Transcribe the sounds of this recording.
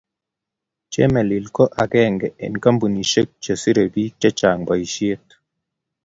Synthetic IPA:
t͡ʃe˦me˨li˨lkɔ˦ʔa˨kɛ˦ŋɡɛ˨ɛ̰˨nka˦mbu˨ni˨ʃe˦k̚t͡ʃo˨si˦ɾe˨bi˦t͡ʃɛ˦t͡ʃa˨ŋba˨i˨ʃi˦e˦t

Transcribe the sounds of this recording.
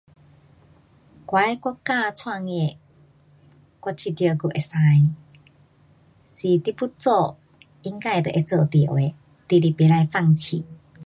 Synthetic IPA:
kwa˨˦jkwɔ˧˥ka˥˧˨t͡sʰwa˥˧ŋe˧˨ | kwɔ˧t͡ɕʰi˧t̪jə˧˨ɡu˧ʔe˨sa˧j | si˨t̪i˦pu˦t͡sɔ˦˧˨ | i˧ŋka˥˧jt̪ə˨˧ʔe˧t͡sə˧t̪i˨ʔwe˨ | t̪i˧˨ɾi˧pe˨la˧jfa˥˧˨ŋt͡ɕʰi˨

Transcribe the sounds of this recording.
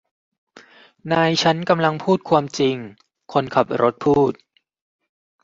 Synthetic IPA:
naː˧jt͡ɕʰa˦˥nka˧mla˧ŋpʰuː˥˩t̪̚kʰwaː˧mt͡ɕi˧ŋ | kʰo˧nkʰa˨˩p̚ɾʔo˦˥t̪̚pʰuː˥˩t̪̚

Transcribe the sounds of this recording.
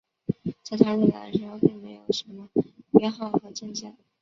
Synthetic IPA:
t͡sɪt̪ʰa˥e˥˩a̰˨˩d̪ə˦ʂɻ̩˧˥xo˥˧ʊpi˥˩ŋme˧˥ɪjo˨˩ʊʂə˧˥nmə˧pɛ˥nxɑ˥˩ʊxɤ˧˥t͡ɕjɛ˥˧nt͡ɕɑ˥˩

